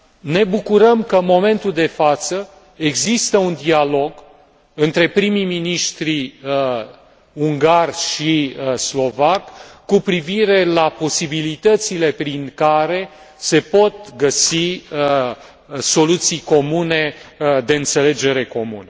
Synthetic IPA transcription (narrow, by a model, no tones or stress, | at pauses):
ne̞bukuɾəmkəɨnmo̞me̞nt̪uld̪e̞fat̪sə | eɡzist̪əund̪ialo̞ɡ | ɨnt̪ɾe̞pɾimijminiʃt̪ɾi | uŋɡarʲʃislo̞vakːupɾiviɾe̞lapo̞sibilit̪ət̪sile̞pɾiŋkaɾe̞ | se̞po̞t̪̚ɡəsi | so̞lut̪sijko̞mune̞d̪e̞ɨnt̪se̞le̞d͡ʒe̞ɾe̞ko̞mṵne